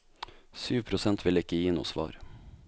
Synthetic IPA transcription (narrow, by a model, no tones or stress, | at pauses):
syːʋpʰɾʊsɛnt̪ʰʋɪlɪkəjiːnṵːsʋɑ̰ːɾ